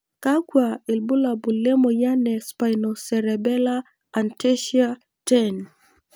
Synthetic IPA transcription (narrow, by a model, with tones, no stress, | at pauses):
ka˦kwa˨ɪ˨lbu˦la˨bu˨le˦mo˨ja˦nɛ˨spa˨jno˨sɛ˨ɾɛ˨bɛ˦laː˦˨ | nte˦ʃia˦ | tɛ˦n